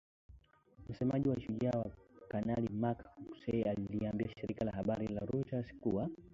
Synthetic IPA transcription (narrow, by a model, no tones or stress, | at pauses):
m̩sɛmaʄiwaʃuʄawakanalimakuku̥sɛialiliambiaʃiɾikalahaɓaɾilaɾɔitaskua